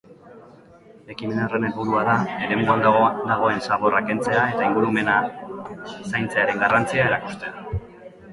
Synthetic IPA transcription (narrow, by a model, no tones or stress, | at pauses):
le̞kimenare̞ne̞lβuɾuaðaeɾe̞mbuand̪d̪aɣ̞o̞e̞nsaβ̞o̞rake̞nt͡se̞ae̞t̪aiŋɡuɾume̞na | sajnt͡seaɾe̞ŋɡarant͡siae̞ɾaku̥st̪e̞a